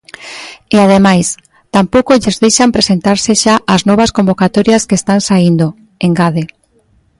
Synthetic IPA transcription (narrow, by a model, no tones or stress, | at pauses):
eaðemajs | t̪ampowkoʎezðejʃampɾesent̪aɾseʃaʔaznɔβ̞askombokat̪oɾjaskest̪aŋsaind̪o | eŋɡaðe